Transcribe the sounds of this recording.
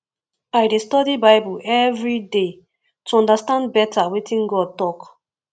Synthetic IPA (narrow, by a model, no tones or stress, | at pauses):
ajdestɔdibaɪbuʔɛvɹide | tuɔ̃ndastãndbɛtawetĩŋɡɔd̚tɔk